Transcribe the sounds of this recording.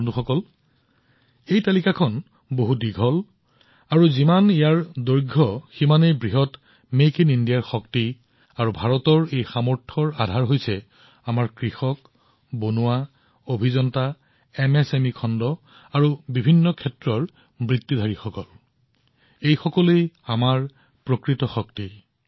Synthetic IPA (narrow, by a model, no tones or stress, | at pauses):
ntuxɔkɔl | ejtalikakʰɔn | boɦudiɡʱɔl | aɹuzimanijaɹdojɡʱɔximanejbɹiɦɔt | mekinindijaɹxɔkti | aɹubʱaɹɔtɔɹejxamɔɹtʰɔɹadʱaɹɦojsɛ | amaɹkɹixɔk | bonuwa | obʱizɔnta | ɛmɛsemikʰɔndɔ | aɹubibʱinːɔkʰɛtɹɔɹ | mɹitːidʱaɹixɔkɔl | ejxɔkɔlejamaɹ | pɹokɹitɔxɔkti